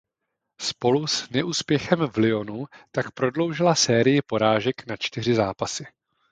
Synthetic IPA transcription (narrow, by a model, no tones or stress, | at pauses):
spo̞lusnɛʔuːspjɛxɛmvlɪo̞nut̪akpɾo̞dlo̞wʒɪlasɛːɾɪjɪpo̞ɾaːʒɛknat͡ʃt̪ɪr̝ɪzaːpasɪ